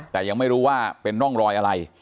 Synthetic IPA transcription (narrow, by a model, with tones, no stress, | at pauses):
t̪ɛː˨˩ja˧ŋma˥˩jɾuː˦˥waː˥˩pe˧nɾɔ˥˩ŋɾɔː˧jʔa˧ɾa˧j